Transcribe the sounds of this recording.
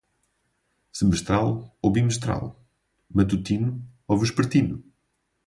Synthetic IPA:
sɨmɨʃt̪ɾalˠoβimɨʃt̪ɾa̰lˠ | mɐt̪ut̪inuovɨʃpɨɾt̪inu

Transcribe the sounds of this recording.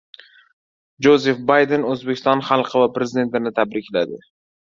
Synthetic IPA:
d͡ʒozefbajd̪e̞nɵzbekʲɪ̥st̪ɒnχalˠqʰɨvapɾe̞zɪd̪e̞nt̪ɪnɪt̪ʰabɾɪkʲʰlad̪ɪ

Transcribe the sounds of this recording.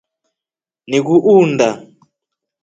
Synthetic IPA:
nik̬uʔuːndʱa

